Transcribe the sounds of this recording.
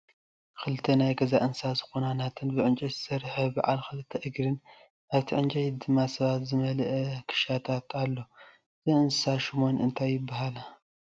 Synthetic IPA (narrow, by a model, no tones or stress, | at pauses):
kʰɨlɨt̪ʰːɐnajɡɐzaʔɨnsazɨxonanat̪ʰɨnbɨʕɨnt͡ʃʼɐjzɨsɐɾħɐba̰ʕa̰lkɨlɨt̪ʰːɐʔɨɡɾɨn | ʔaβt̪ʰiʕɨnt͡ʃʼɐjd̪ɨmːasɐβat̪zɨmɐlʔɛkʰɨ̥ʃat̪ʰat̪alːo̞ | zɨʔɨnsaʃɪmo̞nɨnt̪ʰajːɪbːaɦala